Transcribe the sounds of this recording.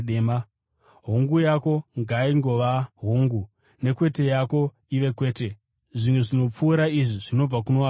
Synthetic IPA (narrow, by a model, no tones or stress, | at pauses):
ema | ɦoŋɡujako̞ŋɡaiŋɡo̞ʋaɦoŋɡu | ne̞kwe̞te̞jako̞ | iʋe̞kwe̞ːte̞ | ʐimwe̞ʐino̞p͡fuːɾaiʐiʐino̞b͡vakunoa